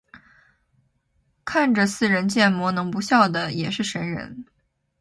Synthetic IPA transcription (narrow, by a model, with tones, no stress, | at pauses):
kʰa˥˩nʈ͡ʂə˩sɹ̩˥˩ɻə˧˥nt͡ɕjɛ˥˩nmwɔ˧˥nɤ˧˥ŋpu˧˥ɕjɑ˥˩ʊd̪ə˩jɛ˨˩ʂɻ̩˥˩ʂə˧˥nɻə̰˧˥n